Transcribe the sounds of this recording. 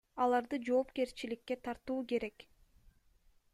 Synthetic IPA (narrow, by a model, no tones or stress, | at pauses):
ɑlˠɑɾd̪ɯd͡ʒo̞ːpke̞ɾt͡ʃilikːe̞t̪ʰɑɾt̪uːke̞ɾe̞k